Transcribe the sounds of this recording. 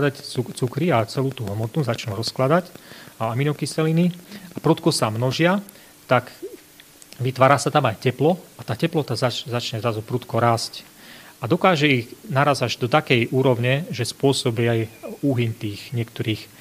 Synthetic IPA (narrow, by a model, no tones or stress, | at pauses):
d̪acut͡sukɾiat͡sɛluːt̪uɦɔmɔt̪nuzat͡ʃnuɾɔsklad̪acaaminɔkisɛliniapɾut̪kɔsamnɔʒɪa | t̪ak | ʋit̪ʋaːɾaːsat̪amajcɛplɔat̪aːcɛplɔt̪azat͡ʃzat͡ʃɲɛzɾazupɾut̪kɔɾaːsc | ad̪ɔkaːʒɛiɣnaɾaːzaʒd̪ɔt̪akɛjʔuːɾɔʊɲɛʒɛspʊɔsɔbiajuɦiɲt̪iːxɲɪɛkt̪ɔɾiːx